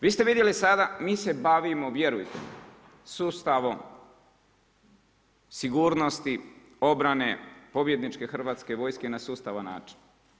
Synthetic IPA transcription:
ʋiːst̪e̞ʋid̪jelisad̪amiːse̞baʋimo̞ʋje̞ɾujt̪ḛ | suːst̪aʋo | siɡuːɾno̞st̪i | o̞bɾane̞po̞bje̞d̪nit͡ʃke̞xr̩ʋaːt̪ske̞ʋo̞jskenasuːst̪aʋana̰ːt͡ʃi̥n

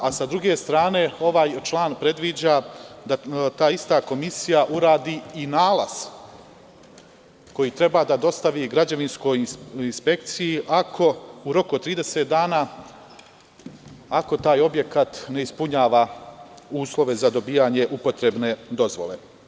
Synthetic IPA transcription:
asad̪ɾuɡe̞st̪ɾaːne̞o̞ʋaːjt͡ʃlˠaːnpɾe̞d̪ʋiːd͡ʑad̪at̪aːist̪ako̞misijaʔuɾaːd̪iinaːlˠaz̥ | kojit̪ɾe̞bad̪ad̪o̞st̪aʋiɡɾad͡ʑaʋinsko̞jinspe̞k̚t̪sijiʔakʰo̞uɾo̞kuot̪t̪ːɾiːd̪e̞se̞t̪̚d̪aːnaː | ako̞t̪aːjo̞bje̞kat̪ne̞ispuɲaːʋa | uːslˠo̞ʋe̞zad̪o̞biːjaɲe̞ʔupo̞t̪ɾe̞bne̞d̪o̞zʋo̞̰le̞̰

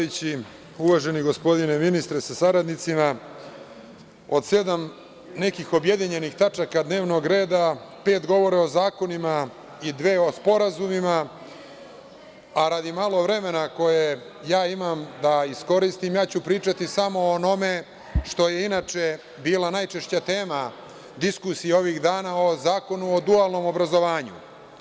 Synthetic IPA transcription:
it͡ɕi | uʋaʒe̞niɡo̞spo̞d̪ine̞minist̪ɾesasaɾad̪nit̪sima | o̞d̪se̞d̪am | ne̞kixo̞bje̞d̪iɲe̞nixt̪at͡ʃakad̪ne̞ːʋno̞ɡɾe̞ːd̪ape̞ːt̪ɡo̞ʋo̞ɾeo̞zaːko̞nima | id̪ʋeːospo̞ɾazumima | aɾad̪imalo̞ʋɾe̞me̞nako̞je | jaːimamd̪aisko̞ɾist̪imjaːt͡ɕupɾiːt͡ʃat̪isamo̞ono̞me̞ | ʃt̪o̞je̞inaːt͡ʃe̞ | biːlanajt͡ʃe̞ʃt͡ɕat̪eːma | d̪iskusijeoʋiɣd̪aːnaozaːko̞nuod̪ualˠno̞mo̞bɾazo̞ʋaːɲṵ

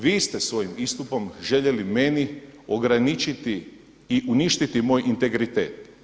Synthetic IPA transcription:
ʋiːst̪esʋo̞jimist̪upo̞mʒe̞ʎe̞lime̞nioɡɾanit͡ʃit̪iː | ʔuniʃt̪it̪imo̞ːjint̪e̞ɡɾit̪e̞̰ːt̪

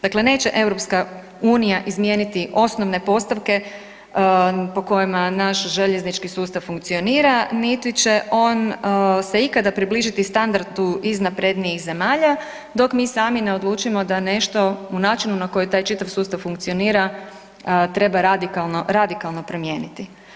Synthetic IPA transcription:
d̪̥akle̞ne̞ːt͡ʃe̞ʔe̞wɾo̞pska | uːnijaʔizmjeːnit̪iʔo̞snoʋne̞po̞st̪aʋke̞ | po̞ko̞jimanaʃʒe̞ʎe̞znit͡ʃkisuːst̪aʋfuŋk̚t̪sio̞niːɾanit̪it͡ʃe̞ʔo̞ːnse̞ikad̪apɾibliʒit̪ist̪and̪aɾd̪uiznapɾed̪nijiɣze̞maːʎa | d̪o̞kmiːsaːmineo̞d̪lˠuːt͡ʃujmo̞d̪ane̞ʃt̪o̞unaːt͡ʃinunako̞jot̪aːjt͡ʃit̪aʋsuːst̪aʋfuŋkt̪sio̞niːɾa | t̪ɾe̞baɾad̪ikalˠno̞ɾad̪ikalˠno̞pɾo̞mje̞ːnit̪i

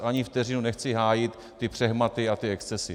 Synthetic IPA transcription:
ʔaɲɪft̪ɛrɪnunɛxt͡sɪɦaːjɪt̪ːɪpr̝̥ɛɦmat̪ɪat̪ɪɛkst͡sɛsɪ̰

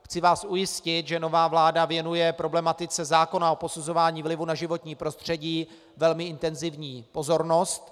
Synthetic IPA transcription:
xt͡sɪvaːsujɪscɪt̪ʒɛno̞vaːvlaːdavjɛnujɛpɾo̞blɛmat̪ɪt͡sɛzaːko̞naopo̞suzo̞vaːɲiːvlɪvunaʒɪvo̞t̪ɲiːpɾo̞st̪r̝̥ɛɟiː | vɛlmɪɪnt̪ɛnzɪvɲiːpo̞zo̞ɾno̞st̪

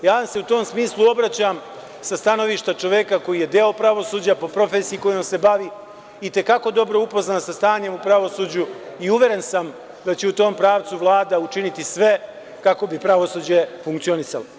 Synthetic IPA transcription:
jaːʋamseut̪o̞ːmsmiːslˠuo̞bɾat͡ɕaːm | sast̪ano̞ʋiːʃt̪at͡ʃo̞ʋekako̞jije̞d̪eopɾaʋo̞suːd͡ʑapo̞pɾo̞fesijiko̞jomse̞baʋi | it̪e̞kako̞d̪o̞bɾo̞upo̞znaːsast̪aːɲe̞mupɾaʋo̞suːd͡ʑuiuʋe̞ɾe̞nsam | d̪at͡ɕeut̪o̞ːmpɾaːʋt̪suʋlˠaːd̪aut͡ʃinit̪isʋe̞ | kako̞bipɾaʋo̞suːd͡ʑe̞fuŋkt̪sio̞nisalo

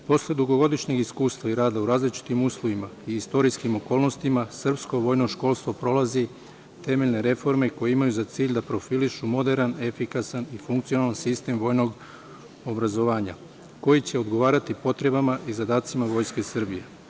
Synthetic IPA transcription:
po̞sle̞d̪uɡo̞ɡo̞d̪iʃɲe̞ɡiskuːst̪ʋaiɾaːd̪auɾaːzlit͡ʃi̥t̪imuːslˠuʋimaiist̪o̞ɾiskimo̞koːlˠno̞st̪imasr̩psko̞ʋojno̞ʃko̞ːlˠst̪ʋo̞pɾo̞lazi | t̪e̞me̞ʎne̞ɾe̞fo̞ɾme̞ko̞jeimajuzat̪siːʎd̪apɾo̞filiʃumo̞d̪e̞ɾane̞fikasanifuŋkt̪sijo̞nalansist̪e̞mʋo̞ːjno̞ɡ | o̞bɾazo̞ʋaːɲa̰ | ko̞jit͡ɕe̞o̞d̪ɡo̞ʋaːɾat̪ipo̞t̪ɾe̞bamaʔizad̪aːt̪simaʋo̞jske̞sr̩bije

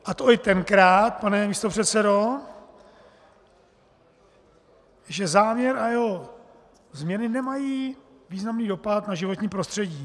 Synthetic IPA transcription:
ʔat̪o̞ʔɪt̪ɛŋkɾaːt̪̚panɛmiːst̪opr̝̥ɛt̪sɛdo̞ | ʒɛzaːmɲɛɾajɛɦo̞ | zmɲɛnɪnɛmajiːviːznamniːdo̞pat̪naʒɪvo̞t̪ɲiːpɾo̞st̪r̝̥ɛɟiː

